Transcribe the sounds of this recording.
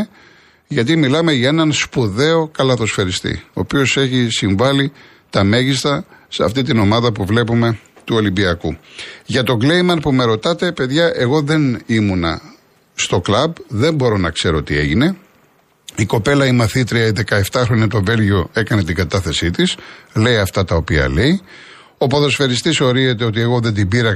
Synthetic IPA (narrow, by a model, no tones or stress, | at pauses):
ʝɐt̪̬imilɐme̞ʝɐe̞nɐnspuðe̞o̞kɐlɐθo̞sfe̞ɾist̪ḭo̞̰ːpio̞se̞çisiɱvɐli | t̪ɐme̞ʝist̪ɐseɐ̰ft̪it̪ino̞mɐðɐpuvle̞pume̞t̪uo̞limbiɐkuʝɐt̪o̞ɡle̞jmɐnpume̞ɾo̞t̪ɐt̪e̞pe̞ðʝɐʔe̞ɣo̞ðe̞nimunɐ̰ | st̪o̞klɐbðe̞mbo̞ɾo̞nɐkse̞ɾo̞t̪ie̞ʝine̞ | iko̞pe̞lɐimɐθit̪ɾiɐiðe̞kɐeft̪ɐxɾo̞ɲɐt̪o̞ve̞lʝo̞e̞kɐne̞t̪iŋɡɐt̪ɐθe̞sit̪isle̞jɐft̪ɐt̪ɐo̞piɐ̰le̞i | o̞poðosfeɾist̪iso̞ɾize̞t̪e̞o̞t̪ieɣo̞ðend̪ibiɾɐ